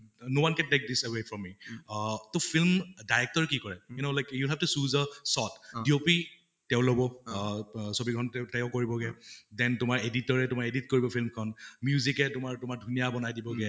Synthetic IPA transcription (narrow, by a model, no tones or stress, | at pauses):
nowankɛ̃nlek̚disəwefɹɔmːi | topʰilmdajɹɛk̚tɔɹkikɔɹɛjunolajkjulɦɛftusuzəsɔtdiopi | tɛʊ̃lobɔ | sobiɡʱɔntɛtɛʊ̃koɹibɔɡɛdɛntʊmaɹeditɔɹɛtʊmaɹeditkoɹibɔpʰilmkʰɔnmjuzikɛtʊmaɹtʊmaɹdʱunijabɔnajdibɔɡɛ